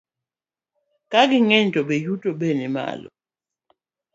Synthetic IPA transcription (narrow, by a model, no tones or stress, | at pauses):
kʼak̬iŋɛntʼɔɓejutʼɔɓɛnɛma̰ːlɔ̰